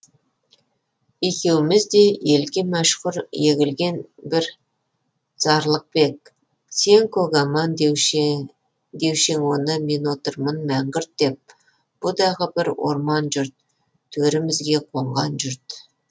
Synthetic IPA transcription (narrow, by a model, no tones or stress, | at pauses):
e̞kʲe̞wɪmɪzd̪e̞je̞lɡʲe̞mæʃqʊɾjeɡʲɪlɡʲe̞nbɪɾ | z̥ɑɾlˠəq̚be̞k̚ | se̞ŋkʰoɡɑmɑnd̪ | d̪e̞wʃe̞ŋwo̞nəme̞nwo̞t̪əɾmənmæŋɡɪɾt̪̚d̪e̞p̚ | b̥ʊd̪ɑʁəbɪɾwo̰ɾmɑnʒʏɾt̪̚ | t̪ʰːɵɾɪmɪzɡʲe̞qʰo̞ɴʁɑnʒʏɾt̪